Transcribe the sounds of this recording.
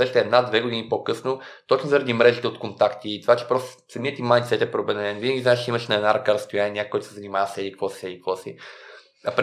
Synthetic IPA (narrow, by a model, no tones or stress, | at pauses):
sɛʃt̪ɛɛd̪nad̪vɛɡod̪inipokɤsnot̪ɔt͡ʃnozɐɾɐd̪imɾɛʒit̪ɛot̪kont̪akt̪iːt̪ovat͡ʃɛ̥pɾɔst̪sɐmiət̪imajnt̪sɛt̪ɛpɾobɛd̪ɛnɛnvinəɡʲizaɛʃt͡ʃɛiməʃnɐɛd̪naɾɐkaɾɐst̪ojanʲnʲikɔjt̪ʊ̥sɛzɐnʲimavəsɛlʲikkvɔsisɛlʲikkvɔsḭ | ɐpɾ